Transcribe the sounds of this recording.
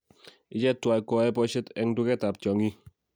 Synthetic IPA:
ɪ˦t͡ʃɛ˦tːwa˨i˨kɔ˨ɛ˦pɔ˦ʃɛ˦tɛ˦ŋdu˦kɛ˦ta˨p̚t͡ʃɔ˨ŋi˦

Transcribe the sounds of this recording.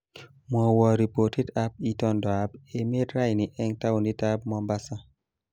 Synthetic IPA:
mɔ˨wɔ˨ɾi˨po˨ti˦da˦p̚i˦tɔ˦ndɔ˨a˨˦be˨me˦dɾa˦jni˨ʔɛ˦ŋta˦wu˨ni˦ta˦b̚mɔ˦mba˦sa˦

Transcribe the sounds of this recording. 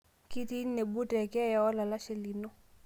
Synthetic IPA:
ki˦ti˦n˦ne˨bu˦tɛ˨kɛ˦ja˨ɔ˦la˨la˦ʃɪ˨li˨no˦

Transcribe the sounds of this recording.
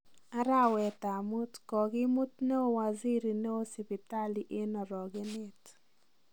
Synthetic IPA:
a˦ɾa˦wɛ˨t̪a˨mʊ˦tkɔ˨ɡɪ˦mʊ˦t̪̚ne˦o˦wa˨zi˦ɾi˨ne˦o˦si˨pi˨ta˦li˦ʔe˦nɔ˨ɾɔ˨ɡɪ˦nɪ˦t

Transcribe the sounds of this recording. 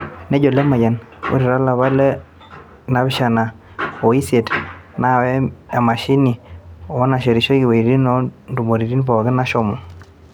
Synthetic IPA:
nɛ˦ɟo˨le˦ma˨ja˨nwṵ˦ɾi˨ɾa˦la˨βa˦lɛ˦ | na˨βɪ˦ʃa˨na˨ | o˨i˦se˨tna˦˨wɛ˦a˨ma˨ʃi˦ni˨ɔ˦na˨ʃe˨ɾi˨ʃo˦ki˨we˨i˨ɾi˦nɔ˦ndu˨mo˨ɾi˨ɾi˦npɔ˨ɡɪ˦na˦ʃɔ˦mu˨

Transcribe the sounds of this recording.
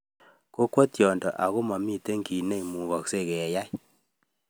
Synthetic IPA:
ko˦kwɔ˦tjɔ˨ndɔ̰˨ʔa˨ɣo˦ma˨mi˦˨te˦ŋɡi˨ne˦i˨mu˨βɔ˨kse˦˨ɣɛ˨ja˦j

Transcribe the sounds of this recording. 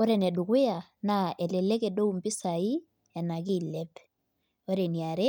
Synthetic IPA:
ɔ˦ɾɛ˨nɛ˨du˨kwe˦a˨na˨ɛ˨lɛ˨lɛ˦kɛ˨do˦u˨mpɪ˦sa˨i˦ | ɛ˨na˨ki˦˨lɛ˦p | o˦ɾe˨ni˨a˨ɾe˦

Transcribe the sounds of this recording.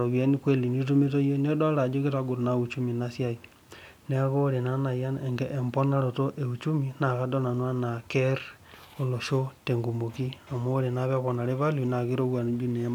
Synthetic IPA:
ɾo˨βja˦nikwe˦li˨ni˦t̬u˦me˦t̬o˦je˦ne˦dwa˦la˨d͡ʒo˦ke˦ta˦ɡu˨ɾo˨na˨u˨t͡ʃu˦mi˨nasja˦i | neɣo˦ɾe˨na˦na˨ja˦eŋɡeʔe˨mbo˦na˦ɾo˨to˦ʔe˨u˨t͡ʃu˦mina˨ɣa˦do˦na˨nwa˦na˨ke˦ɾ | o˨lo˨ʃo˦te˨ŋɡu˨mo˨ki˦o˨mo˦ɾe˨naβeβo˨na˨ɾe˦βa˦luna˨ɣi˦ɾo˦wa˨n˦d͡ʒu˦ne˨˦ma

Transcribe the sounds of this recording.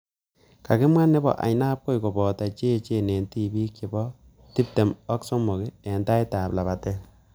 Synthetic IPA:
ka˨kɪ˦mwa˦nːɪ˦bɔ̰˨ʔa̰˨jna˦p̚ko˦jko˨bɔ˨ta˨t͡ʃe˦t͡ʃe˦˨ne˨nti˦bi˦kt͡ʃe˨bɔ˦ | ti˦p̚te˨mɔ˦kso˦mo˨ke˨ɛ˨nta˦jta˨pla˨βa˨te˦

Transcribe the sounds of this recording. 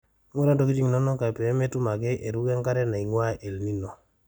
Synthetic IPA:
ŋɔ˦ɾa˦do˨ki˦d͡ʒi˦ŋ˨nɔ˦nɔ˦ka˨pɛ˨˦me˦tu˦ma˨ɡɛ˦ʔe˨ɾu˦ɡɛ˦ŋka˦ɾɛ˦na˨i˨ŋwa˦ʔe˨lni˦nɔ˨

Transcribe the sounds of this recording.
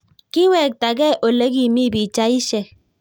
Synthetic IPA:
ki˦wɛ˦˨k̚ta˨ɡɛ˦ʔo˨le˦ɡi˦˨mi˦bi˨t͡ʃa˦i˦ʃɛ˦

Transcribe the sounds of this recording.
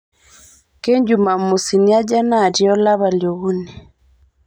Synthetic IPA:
ke˦ɲd͡ʒu˨ma˨mu˨si˨ni˦a˦d͡ʒa˦na˦˨ɾi˨˦ɔ˦la˦βa˨ljo˨ɣu˦nɛ˨

